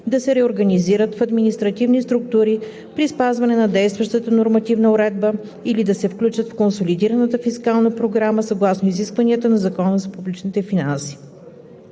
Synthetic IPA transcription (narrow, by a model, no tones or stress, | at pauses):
d̪ɐsɛɾɛoɾɡɐniziɾət̪fɐd̪minist̪ɾɐt̪ivnist̪ɾuk̚t̪uɾi | pɾispazvɐnɛnɐd̪ɛjst̪vəʃt̪ət̪ənoɾmɐt̪ivnəoɾɛd̪̚bə | ilid̪ɐsɛfklʲut͡ʃət̪fkonsolid̪iɾənət̪əfiskalˠnəpɾoɡɾaməsɐɡlˠasnoiziskvɐniət̪ənɐzɐkɔnəzɐpublit͡ʃnit̪ɛfinansi̥